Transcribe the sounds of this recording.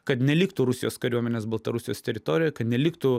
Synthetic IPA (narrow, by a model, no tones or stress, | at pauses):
kɐt̪nʲɛlʲiːkt̪ʊɾʊsʲɪjoːskɐɾʲuɔmʲɛnʲeːsbɐlˠt̪ɐɾʊsʲɪjoːst̪ʲɛɾʲɪt̪oːɾʲɪjoːkɐt̪nʲɛlʲiːkt̪ʊ